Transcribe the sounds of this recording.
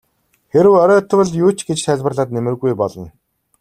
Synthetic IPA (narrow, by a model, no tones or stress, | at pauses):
xeɾɘ̆wœɾœːt̪̆wə̆ɮjuːt͡ɕɡet͡ɕsæɮpə̆rɮaːt̪̚nemɘ̆rɣujpɔɮɞ̆n